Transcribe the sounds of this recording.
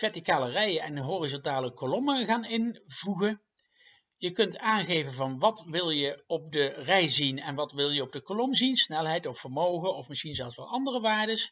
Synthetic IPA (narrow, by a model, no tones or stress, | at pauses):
v̥ɛɹtikaːlərɛjəɛnɦoːrizɔntaːləkolɔməɣaːnɪnvuɣə | jəkɵntaːnɣejvənvɑnʋɑtʋɪlˠjəɔp̚dərɛjzinɛnʋɑtʋɪlˠjəɔb̚dəkolɔmzinsnɛlˠɦɛjtɔfːəɹmowχənɔfmɪsxinzɛlˠsʋɑnɑndərəʋaːɹdəs